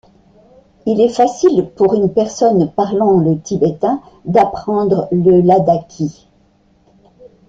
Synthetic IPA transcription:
ilɛfasilpuʁynpɛʁsɔnpaʁlɑ̃lət̪ibɛt̪ɛ̃ | d̪apχɑ̃d̪ʁləlad̪akʲʰi

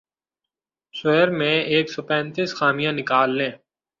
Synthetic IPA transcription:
sʊɦəɾmẽeːksɔːpɛ̃ːnt̪iːsxaːmijãnɪkaːlːẽː

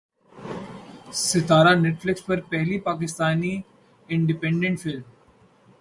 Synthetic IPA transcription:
sɪt̪aːɾanɛʈflɪksʋəɾpɛɦlipaːk̬ɪst̪aːni | ɪ̃ɳɖɪpɛ̃ɳɖẽɳʈfɪlm

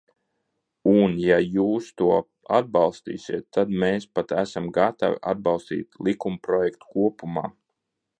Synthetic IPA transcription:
unjajuːst̪uɔ | a̰d̪̚bɑlˠst̪ḭːsiɛt̪ːad̪meːspat̪æsamɡat̪a̰wa̰d̪̚bɑlˠst̪ḭːt̪lˠikumpɾɔjɛkt̪u̥kuɔpuma̰ː

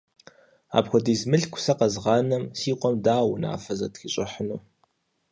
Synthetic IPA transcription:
a̰ːpxʷɔdiːzmɨɬkʷʰʊ̥sɐqɐzʁɑːnɐmsiːqʷʼɔmdaːwʊna̰ːfɐzɐtxiɕʼɪħənuː

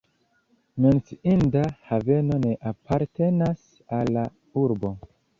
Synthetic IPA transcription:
me̞nsiindahave̞no̞ne̞ʔapʰaɾte̞nas | alːa | uɾbo̞

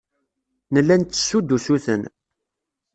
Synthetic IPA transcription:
nəlːænt̪ːə̥sːud̪ːusuθə̰n

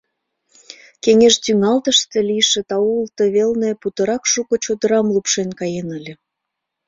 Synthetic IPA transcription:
keŋʲeʃt̪yŋɑlt̪əʃt̪ĕlʲijʃĕt̪ɑult̪əβelnĕput̪ɤ̆ɾɑkʃukŏt͡ɕod̪ə̆ɾɑmlupʃenkɑjenəlʲĕ

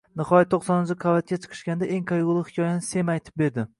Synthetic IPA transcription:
nɨχɒjat̪ʰːoχsɒnɪzɪqʰɑvat̪̚kʲat͡ʃʰɨ̥qʰɨ̥ʃkʲand̪aʔe̞ŋqʰɑjɡʊlˠɪhɪ̥kʲʰɒjanɪse̞majt̪ʰɪ̥p̚be̞ɾd̪ɪ

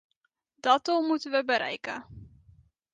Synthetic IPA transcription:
dɑtɔmutənʋəbəɾʔɛ̰jkə

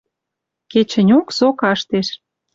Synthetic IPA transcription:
ket͡ɕə̆nʲoksokɑʃt̪eʃ

